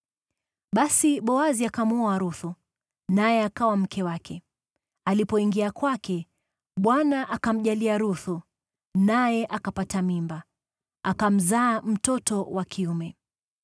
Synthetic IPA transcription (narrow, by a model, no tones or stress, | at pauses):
ɓasiɓɔaziakamuɔaɾuθu | najɛakawam̩kʰɛwakʰɛ | alipɔiŋɡiakwakɛ | ɓwanaʔakam̩ʄaliaɾuθu | najɛʔakapatamimba | akam̩zaːm̩tɔtɔwakʰiumɛ